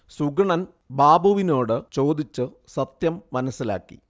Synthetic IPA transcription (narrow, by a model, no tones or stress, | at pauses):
suɡɐɳɐn | baːbɐʋino̞ːɽɨt͡ɕo̞ːd̪it͡ɕːɨ | sɐt̪jɐmːɐnɐsːila̰ːkːḭ